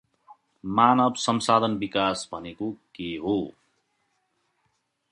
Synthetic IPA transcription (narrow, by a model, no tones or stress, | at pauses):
manʌbsʌmsad̪ʱʌnbikasbʱʌnekokeɦo